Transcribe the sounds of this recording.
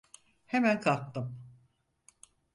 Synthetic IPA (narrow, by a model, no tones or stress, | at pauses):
hemænkʰalk̚t̪ʰɯm